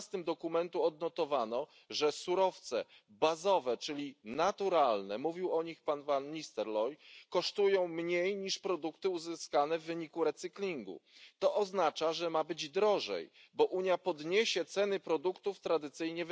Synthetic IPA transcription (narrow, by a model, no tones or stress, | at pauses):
st̪ɘmd̪ɔkumɛnt̪uɔd̪nɔt̪ɔvanɔ | ʐɛsuɾɔft̪sɛ | bazɔvɛt͡ʂɘlʲinat̪uɾalnɛmuvʲiwɔɲixpanvanːist̪ɛɾlɔjkɔʂt̪ujɔ̃w̃mɲejɲiʂpɾɔd̪ukt̪ɘuzɘskanɛvːɘɲikuɾɛt̪sɘklʲiŋɡṵt̪ɔʔɔznat͡ʂaʐɛmabɘd͡ʑd̪ɾɔʐɛ̰j | bɔʔuɲjapɔd̪ɲeɕɛt̪sɛnɘpɾɔd̪ukt̪uft̪ɾad̪ɘt̪sɘjɲɛv